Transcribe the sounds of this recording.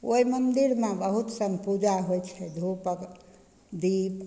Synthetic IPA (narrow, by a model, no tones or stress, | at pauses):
oimənd̪iɾmẽbəɦut̪səmpud͡ʒaɦojt͡ʃʰɛd̪ʱupək | d̪ip